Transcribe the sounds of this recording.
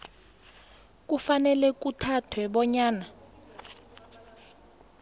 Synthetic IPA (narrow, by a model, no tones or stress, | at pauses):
k̬ʼufanɛlɛk̬utʰatʰwɛɓɔɲaːna